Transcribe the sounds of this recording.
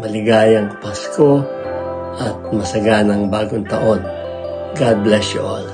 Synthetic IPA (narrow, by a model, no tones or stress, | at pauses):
mɐlɪɡaːjɐŋpasko̞ | ʔɐt̪̚mɐsɐɡanɐŋbaːɡoŋt̪ɐʔo̞n | ɡad̪̚blɛsjʊʔal